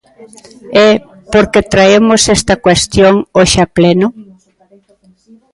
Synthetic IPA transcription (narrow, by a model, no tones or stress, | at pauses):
ɛ | poɾket̪ɾaemosest̪ɐkwest̪joŋoʃaplenʊ